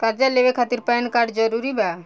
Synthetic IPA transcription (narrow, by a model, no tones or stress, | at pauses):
kaɾd͡ʒalebekʰat̪iɾpajnkaɾɖd͡ʒəɾuɾiba